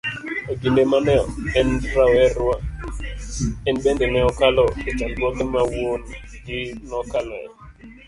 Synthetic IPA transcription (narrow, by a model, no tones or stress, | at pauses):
aɡilemanɛɔ̰ɛndɾawɛɾwa | ɛnbɛndɛŋɛɔkalɔkɛt͡ʃanbɔkɛmawonɡinɔkalɛ̰